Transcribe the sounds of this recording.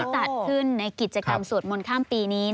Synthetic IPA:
t̪a˨˩kʰɯ˥˩nːa˧jki˨˩t̪̚t͡ɕa˧ka̰˧msu˨˩ət̪̚mo˧nkʰaː˥˩mpiː˧niː˦˥

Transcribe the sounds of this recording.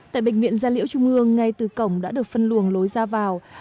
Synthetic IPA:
t̪a̰ː˧˨jɓḛ˧˨˩ŋ̟vḭ˧˨ənzaː˧lḭ˧˥əwt͡ɕʊ˧ŋ͡mʔɨ˧əŋːa˧jt̪ɨ˨˩kə˧˩wŋ͡mɗa̰ː˧˥ɗɨ˨˩ək̚fə˧nlu˨˩əŋlo˨˦jzaː˧vaː˨˩w

